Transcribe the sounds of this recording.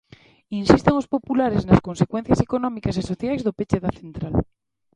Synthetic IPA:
insist̪eŋospopulaɾeznaskonsekwen̟θjasekonɔmikasesoθjajzðopet͡ʃeðaθent̪ɾal

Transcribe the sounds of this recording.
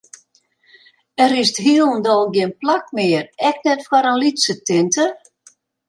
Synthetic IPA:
ɛɾɪstɦiəlˠndɔlˠɡjɪənplakmɪərɛknɛtfwaɾənlitsətɪntʰə

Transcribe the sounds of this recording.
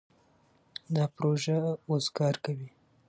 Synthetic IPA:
d̪ɑpɾoʒaozɡɑɾkawi

